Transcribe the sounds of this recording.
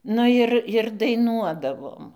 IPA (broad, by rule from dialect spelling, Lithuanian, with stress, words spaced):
ˈnʊ jɪr jɪr dɐɪˈnuɔdɐʋoːm